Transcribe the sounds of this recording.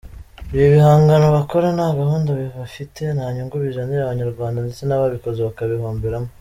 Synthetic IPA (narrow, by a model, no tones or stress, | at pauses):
iβjoβihaːŋɡano̞βako̞ɾanaɡahuːndaβiβafite̞naːɲuŋɡoβiʒaniaβaɲaɾɡwaːndandet͡senaβaβiko̞zeβakaβihoːmbeɾamo